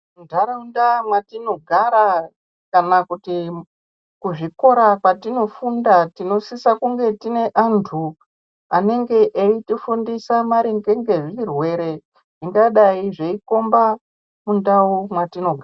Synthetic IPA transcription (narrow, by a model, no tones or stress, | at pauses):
ndaɾaundamwatino̞ɡʱaɾa | kanakuti | kuʐiko̞ɾakwatino̞fundatino̞sisakuŋɡe̞tine̞ʔantʰu | ane̞ŋɡe̞ʔeitifundisamaɾiŋɡe̞ŋɡe̞ʐirwe̞ɾe̞ | ʐ̥iŋɡaɗaiʐeiko̞mba | mundaumwatino̞ɡʱaa